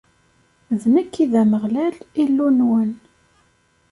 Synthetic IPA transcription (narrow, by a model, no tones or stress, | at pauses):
ðnəkːiðæməʁlælilːunwən